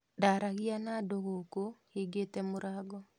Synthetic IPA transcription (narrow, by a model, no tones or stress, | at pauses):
daɾaɣianadoɣokohiɡetɛmoɾaːɡɔ